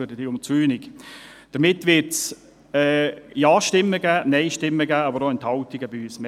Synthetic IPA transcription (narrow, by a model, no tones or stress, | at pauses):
ødəd̥iʊmt͡syːnikd̥əɾmɪtːʋɪɾts | ɛːjɑːʃtɪmːəɡæːnɛɪʃtɪmːəɡæːɑbəɾoɪnt̪hɑltɪɡəbiyːsmɛ